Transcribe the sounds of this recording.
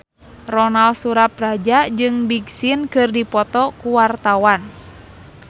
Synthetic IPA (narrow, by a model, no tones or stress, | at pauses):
rɔnalsuɾap̚rad͡ʒad͡ʒɨŋbiɡsinkɨrdipɔt̪ɔkuwart̪awan